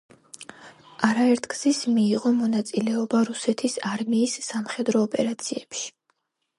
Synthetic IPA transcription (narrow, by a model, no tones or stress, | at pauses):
aɾaɛɾt̪ʰɡz̥ismiːʁɔmɔnat̪sʼilɛɔbaɾusɛt̪ʰisaɾmiːsːamχɛd̪ɾɔːpʼɛɾat̪sʰiɛpʃi̥